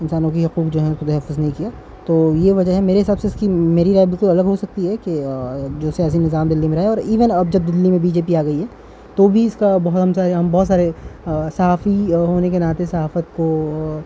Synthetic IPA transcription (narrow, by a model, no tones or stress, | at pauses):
ɪnsaːnõkiɦɐquːqd͡ʒoːɦɛ̃ʊskot̪ɛɦɛfːʊznɐɦĩkijaː | t̪oːjeʋɐd͡ʒəɦɛmeːɾeɦɪsaːbseɪskimeːɾiɾaːebɪlkʊlɐləɡɦosɐk̚t̪iɦɛked͡ʒoːsijaːs̬inɪzaːmd̪ɪlːimẽɾaːeɔːɾiːʋənɐbd͡ʒɐb̚d̪ɪlːimẽbiːd͡ʒeːpiaːɡɐiɦɛː | t̪obʱiɪskabɐɦt̪ɦɐmsaːɾeɦɐmbɔɦːt̪saːɾesɐɦaːfiɦoːnek̬enaːt̪esɐɦaːfət̪̚ko